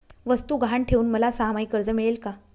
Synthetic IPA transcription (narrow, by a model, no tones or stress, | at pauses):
ʋəst̪uːɡʱaɳʈʰeuːnməlasamaikəɾd͡zəmiɭelka